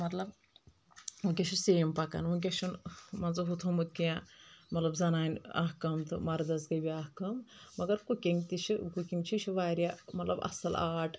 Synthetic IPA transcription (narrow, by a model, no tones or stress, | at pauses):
mɐt̪lɐb | ukʲeʃuseːmpɐka̰nʋuk̬ʲeʃunmɐnzɨɦut̪ʰomut̪̚kiãmɐt̪lɐbzɐnaːnʲa̰ɦkɐmt̪ɨmɐɾd̪ɐsɡɐjbʲiaːhkɐmmɐɡɐɾkukʲiŋɡt̪it͡ʃʰikukʲiŋɡt͡ʃʰit͡ʃʰiʋaːɾʲjamɐt̪lɐbɐ̰sɐlaːʈ